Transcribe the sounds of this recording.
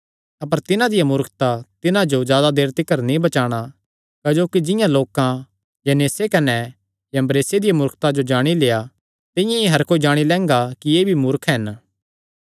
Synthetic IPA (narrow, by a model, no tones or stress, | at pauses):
ɐpəɾt̪ɪnãd̪ɪjamʊɾkʰt̪at̪ɪnãd͡ʒozjaːd̪ad̪eːɾt̪ɪkːəɾnĩbɐt͡ʃaːɽ̃a | kɐd͡ʒoːkid͡ʒɪ̃jãloːkã | jɐneːsekɐnɛ | jɐmbɾeːsed̪ɪjamʊɾkʰt̪ad͡ʒod͡ʒaːɽ̃ileːja | t̪ɪjãeɦɐɾkoːid͡ʒaːɽ̃ilɛ̃ːŋɡakijeːbʱimʊɾkʰɦɛn